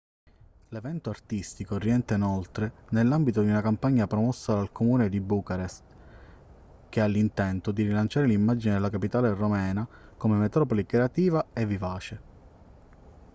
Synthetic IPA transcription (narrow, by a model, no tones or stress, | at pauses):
levɛnt̪oart̪ist̪ikoriɛnt̪einolt̪ɾenelːambit̪od̪iunakampaɲːapɾomɔsːad̪alkomuːned̪ibuːkaɾest̪ | k̟ealːint̪ɛnt̪od̪iɾilant͡ʃaːɾelimːad͡ʒined̪elːakapit̪aːleromɛːnakomemet̪ɾɔːpolikɾeat̪iːvaevːivaːt͡ʃe